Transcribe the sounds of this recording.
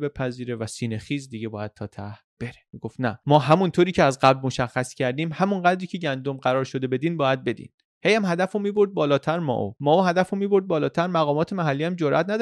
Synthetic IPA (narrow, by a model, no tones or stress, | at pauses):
be̞pʰæziːɾe̞væsiːnexiːzd̪iɡɟebɒːjæd̪̥̚t̪ʰɒːt̪ʰæh | b̥e̞ɾemiɡ̥o̞ft̪næmɒːɦæmunt̪ʰoːɾiːcʰeæzɢæblmo̞ʃæxːæscʰæɾd̪iːmhæmunɢæd̪ɾiːcʰe̞ɟænd̪omɢæɾɒːɾʃod̪e̞be̞d̪iːnbɒːjæd̪̚be̞d̪ḭn | hejæmhæd̪æfomiːboɾd̪̚bɒːlɒːt̪ʰæɾmɒ̰ʔo̰mɒːohæd̪æfomiːbo̞ɾd̪̚bɒːlɒːt̪ʰæɾmæɣɒːmɒːt̪ʰemæɦælːiːæmd͡ʒoɾʔæ̰t̪ʰnæd̪